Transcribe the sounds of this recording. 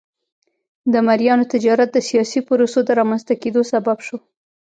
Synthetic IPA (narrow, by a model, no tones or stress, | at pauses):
d̪əmaɾjɑnot̪ɪd͡ʒɑɾat̪̚d̪əsijɑsipʊɾosod̪əɾɑmanzt̪aked̪osababʃo